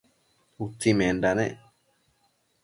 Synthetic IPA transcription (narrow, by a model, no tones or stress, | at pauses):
ut͡sːimẽnɖanẽʔ